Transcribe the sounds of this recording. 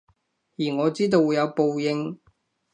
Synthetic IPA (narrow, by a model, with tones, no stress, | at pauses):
jiː˨˩ŋɔː˨˧t͡siː˥t̪̬o˧wːuː˨˧jɐ˨˧wpo˨wjɪ˧ŋ